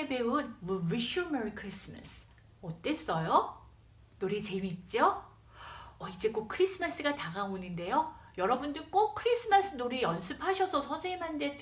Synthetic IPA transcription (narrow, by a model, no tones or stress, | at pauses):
ebe̞unwuwiɕumeɾikʰɯɾis͈ʰɯma̰sʰ | ʌt͈e̞s͈ʌjo | noɾit͡ɕe̞miːt̚t͡ɕ͈o | ʌid͡ʑe̞k͈ok̚kʰɯɾisʰɯmas͈ɯɡataɡaoninde̞jojʌɾʌbundɯɾk͈ok̚kʰɯɾis͈ʰɯmas͈ʰɯnoɾijʌnsʰɯpʰaɕʰʌsʰʌsʰʌnsʰeimandet͈